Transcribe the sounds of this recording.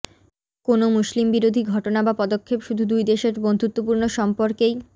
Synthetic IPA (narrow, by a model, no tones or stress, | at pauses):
konomuslimbiɾod̪ʱiɡʱɔʈonabapɔd̪okʰːepʃud̪ʱud̪ujd̪eʃeɾbond̪ʱut̪ːopuɾnoʃɔmpoɾkej